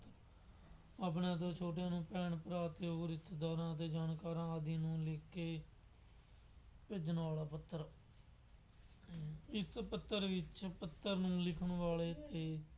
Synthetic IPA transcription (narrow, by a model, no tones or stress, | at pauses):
t̪ | ap̬ɳãːt̪̬õːt͡ʃʰoːʈjãːnũːpɛːɳpəɾaːt̪eːɦoːɾɪt̪ʰːd̪aːɾãːət̪eːd͡ʒaːnkaːɾãːaːd̪ĩːnũːleːkːeː | peːd͡ʒənʋaːlaːpət̪ːəɾ | ɪspət̪ːəɾʋɪt͡ʃpət̪ːəɾnũːlɪkʰəɳʋaːɭeːt̪eː